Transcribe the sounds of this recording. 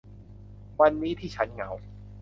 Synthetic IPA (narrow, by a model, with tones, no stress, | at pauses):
wa˧nːiː˦˥t̪ʰiː˥˩t͡ɕʰa˦˥nŋa˦˥w